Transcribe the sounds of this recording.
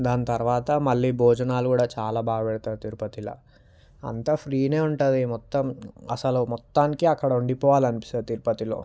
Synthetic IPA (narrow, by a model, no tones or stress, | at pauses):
d̪aːnit̪ɐɾʋaːt̪ɐmɐɭːiːbʱɔːd͡ʒɐnaːlukuːɽaːt͡ʃaːlaːbaːɡɐpɛːɽut̪aːɾut̪iːɾupɐt̪ilɐ̰ | ɐ̰nt̪ɐpʰɾiːne̞ːuɳʈand̪imɔt̪ːɐmɐsɐlumɔt̪ːaːnikiɐkːɐɽɐuɳɖipɔːʋaːlɐnipist̪aːɾut̪iːɾpɐt̪ilo̞̰ː